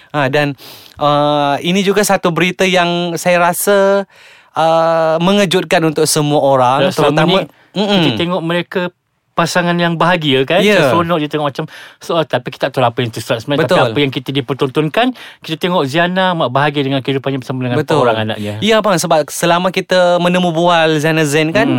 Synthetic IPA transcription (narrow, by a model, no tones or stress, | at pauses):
adanʔəinĩd͡ʒuɡasat̪ubəɾit̪ajaŋsajaɾasə | ʔəməŋəd͡ʒʊt̪̚kanunt̪ʊk̚səmuaoɾaŋaslmami | m̩iət̪eŋɔʔməɾeka | pasaŋanjaŋbaɦaɡiəkanjsəsonɔʔd͡ʒit̪eŋɔʔmat͡ʃamsoat̪apiki̥t̪at̪ɔlapəjaŋt̪ust̪ɾat̪səmatbəat̪ialpəjaŋkit̪ədipərt̪ɔnt̪ɔnkanki̥t̪ət̪eŋɔʔzianamaʔbaɦaɡiədəŋankəidupaɲapəsamədəŋanbət̪oɾaŋana̰ʔɲəjabaŋsəbap̚səlamakit̪əmənəmũbualzianazɛnkan